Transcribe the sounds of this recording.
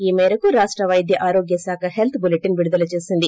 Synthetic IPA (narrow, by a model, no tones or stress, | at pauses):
iːmɛːɾɐkuɾaːʂʈɾɐʋɐjd̪ʱjɐʔaːɾo̞ːɡjɐsaːkʰɐɦelt̪ʰbuleʈːinʋiɽud̪ɐlɐt͡ʃe̞ːsind̪i